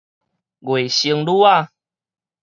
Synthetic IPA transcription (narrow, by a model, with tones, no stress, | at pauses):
ɡwe˨˩ɕi˧ŋlu˦a˥˦˨